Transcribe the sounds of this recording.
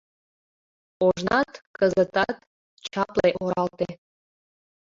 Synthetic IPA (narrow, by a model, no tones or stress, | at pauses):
oʒnɑt̪kəzət̪ɑt̪ | t͡ɕɑpleʔoɾɑlt̪e